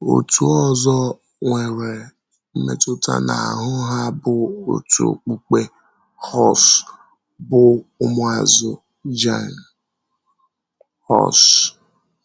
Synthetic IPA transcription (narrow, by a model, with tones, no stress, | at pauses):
o̰˨tu˨ɔ˦zɔ˦ | ŋʷe˨ɾe˨ | m̩˦mḛ˨tʊ˦ta̰˨na̰˨ɦʊ˦ɦa˦bʊ˦o̰˨tṵ˨k͡pu˦k͡pe˦ | hɔ˦s | bʊ˦ʊ˦mʊ˦a˨zʊ˨ | d͡ʒa˦˨n | hɔ̰˦˨s